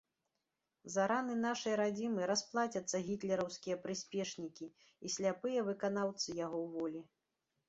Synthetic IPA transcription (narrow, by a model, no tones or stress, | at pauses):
zaɾanɨnaʂɐjɾad͡zʲimɨɾasplˠat͡sʲɐt̪sːɐɣʲit̪lʲɛɾɐwskʲijɐpɾɨsʲpʲɛʂnʲikʲi | isʲlʲapɨjɐvɨkanawt̪sɨjaɣɔwvɔlʲi